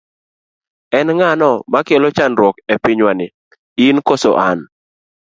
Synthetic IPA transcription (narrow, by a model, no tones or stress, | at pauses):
ɛnŋanɔmakelɔt͡ʃanɾwɔkɛpɪɲwanɪ | inkɔsɔ̰ʔan